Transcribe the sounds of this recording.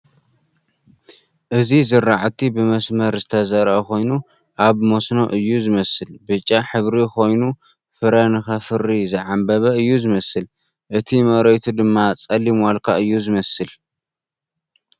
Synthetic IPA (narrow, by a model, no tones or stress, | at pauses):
ʔɨzizɨɾːaʕt̪ʰibɨmɐsmɐɾzɨt̪ʰɐzɐɾʔɐko̞jnu | ʔaβmosno̞ʔɨjːuzɨmɐsɨlbɨt͡ʃʼːaħɨβɾikʰo̞jnu | fɨɾɐnɨxafɨɾːizɨʕambɐβɐɨjːuzɨmɐsɨl | ʔɨt̪ʰimɐɾojt̪ʰud̪ɨmːat͡sʼɐlːimwalkʰaɨjːuzɨmɐsɨl